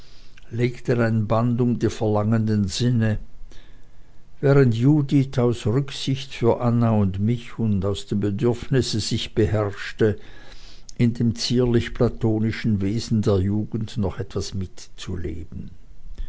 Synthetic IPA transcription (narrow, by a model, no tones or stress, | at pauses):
leːktənaɪnbandʊmdiːfɛɐlaŋəndənzɪnə | vɛːʁəntjuːdɪtʰaʊsʁʏksɪçtfyːɐʔanaʊndmɪçʊndaʊsd̥eːmbədʏɐfnɪsəz̥ɪçb̥əɦɛʁʃtə | ʔɪndeːmt͡siːɐlɪçpʰlatʰoːnɪʃn̩veːzn̩deːɐjuːɡn̩tnɔχɛtv̥asmɪtt͡sṵlḛːb̥n̩